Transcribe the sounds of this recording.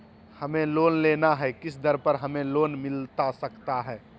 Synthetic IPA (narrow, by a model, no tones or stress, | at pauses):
həmẽloːnleːnaɦɛkɪsd̪əɾpəɾɦəmẽloːnmɪlt̪asəkt̪aɦɛː